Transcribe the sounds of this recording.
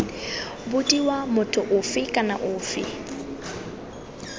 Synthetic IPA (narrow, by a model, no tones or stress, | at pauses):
bʊtʼiwamʊtʰʊʔʊfɪkʼana̰ʔʊːfɪ̰